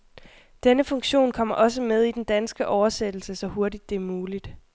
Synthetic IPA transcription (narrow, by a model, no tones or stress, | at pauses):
d̥enəfɔ̽ŋɕo̝̰ːnkʰɒ̽m̰ɐʔɒ̽s̬əmeð̞ˠid̥end̥ænsɡ̥əʔɒʊɐsed̥l̩səsɒ̽ho̝ɐdid̥ːe̝ɐmuːlid̥